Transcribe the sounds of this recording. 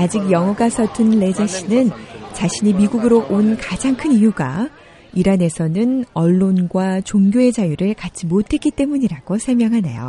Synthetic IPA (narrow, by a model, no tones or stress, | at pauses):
ad͡ʑik̚jʌŋɦʌɡasʰʌtʰɯnle̞d͡ʑaɕ͈inɯnt͡ɕaɕʰiɲimiɡuɡɯɾoʔonkad͡ʑaŋkʰɯnijuɡa̰ | iɾane̞sʰʌnɯnʌɭːonɡwat͡ɕoŋɡʲjoe̞d͡ʑajuɾɯɭkat͡ɕ͈imotʰe̞tk͈it͈e̞muɲiɾaɡ̥osʰʌɭmjʌŋɦane̞̰jo̰